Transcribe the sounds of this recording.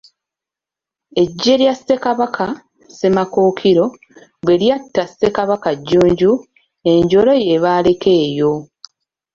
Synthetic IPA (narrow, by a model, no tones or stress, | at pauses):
e̞ɟːe̞ɾjase̞kaβakʰa | semako̞ːkʰiɾo̞ | βe̞ljatːase̞kaβakaɟːuːɲɟu | e̞ɲɟo̞lo̞je̞βaːle̞kʰe̞ːjo̞